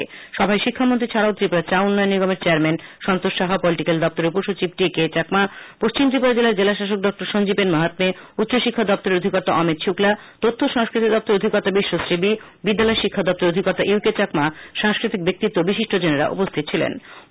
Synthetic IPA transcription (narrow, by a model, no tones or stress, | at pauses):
ʃɔbʱaeʃikʰːamont̪ɾit͡ɕʰaɾawt̪ɾipulat͡ɕaunːɔenːiɡomeɾt͡ɕeaɾmenʃɔnt̪oʃːaɦapɔliʈikeld̪ɔp̚t̪oɾeupuɾʃot͡ɕib̚ʈiket͡ɕakmapoʃt͡ɕimt̪ɾipoɾd͡ʑelaɾd͡ʑelaʃaʃ̬ok̚ɖɔk̚ʈoɾʃond͡ʑipenmaɦat̪meut̪ːɕoʃikʰːad̪ɔp̚t̪oɾeɾod̪ʱikɔɾt̪aʔɔmit̪ʃʰukla | t̪ot̪ʰːoʃaŋskɾit̪id̪ɔpt̪oɾod̪ʱikɔɾt̪abiʃːosɾibi | bid̪ːalɔeʃikʰːad̪ɔp̚t̪oɾod̪ʱikɔɾt̪ːaʔiwket͡ɕakmaʃaŋskɾit̪ik̚bek̚t̪it̪ːobiʃiʃʈʰod͡ʑeneɾa̰ʔṵpost̪ʰit̪t͡ɕʰilḛn